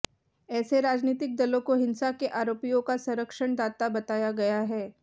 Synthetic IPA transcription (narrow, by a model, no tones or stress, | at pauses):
ɛːseɾaːd͡ʒniːt̪ɪk̚d̪ɐlõkoɦɪ̃nsakeʔaːɾoːpijõkasɐ̃ɾəkʃəɽ̃d̪aːt̪abɐt̪aːjaɡɐjaɦɛː